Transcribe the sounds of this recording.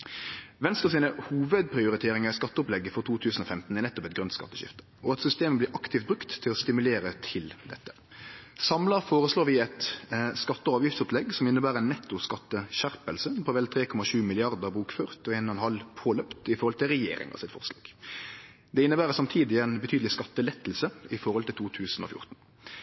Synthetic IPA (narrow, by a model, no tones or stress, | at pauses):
ʋɛnst̪əsiːnəhuːʋəd̪̚pʰɾɪʊɾɪt̪ʰeːɾɪŋɑɛskɑt̪ːəʊplɛɡːəfɔɾt̪ʰuːt̪ʰʉːsn̩ɔfɛmt̪n̩ɛɾnɛt̪ːɔpɛt̪̚ɡɾʉnskɑ̰t̪ːəʃɪ̰ft̪ə̥ | ɔɑt̪sʏst̪eːməblɪːɾʔɑkt̪ʰɪft̪̚bɾʉkt̪ʰːɪlɔst̪ɪmʉleːɾət̪ʰɪld̪ɛt̪ːə̥ | sɑmlɑɾfoːɾəsloːɾʋɪɛt̪skɑt̪ːəɑːʋjɪft̪sʊplɛɡsɔmɪnːəbæːɾɛnːɛt̪ːʊskɑt̪ːəʃæɾpəlsəpʰɔʋɛlt̪ʰɾeːkʰɔmɑʃʉːmɪlɪɑʁd̪əʁbuːkføːʁt̪ɔɛnɑnhɑlpʰoːlœpt̪ɪfɔɾʁhɔlt̪ɪlʁɛjḛːɾɪ̰ŋɑ̰sɪt̪fɔ̰ʁslɑ̰ːɡ̥ | d̪ɛɪnːəbæːɾəsɑmt̪ʰiːd̪ɪɛnbət̪ʰyːd̪əlɪskɑt̪ːəlɛt̪ːəlsəɪfɔɾhɔlt̪ʰɪlt̪uːt̪ʰʉːsn̩ɔ̰fjʊ̰ʁt̪n̩